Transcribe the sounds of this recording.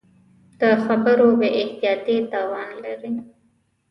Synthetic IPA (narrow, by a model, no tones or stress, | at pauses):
d̪̥əxabəɾobeʔɪht̪ijɑt̪it̪ɑwɑnlaɾi